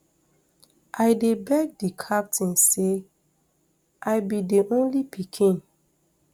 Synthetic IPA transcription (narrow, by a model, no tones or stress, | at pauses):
ʔaɪdebɛk̚dikʰap̚tʰĩnse | ʔaɪbidiʔõnlipʰikʰĩn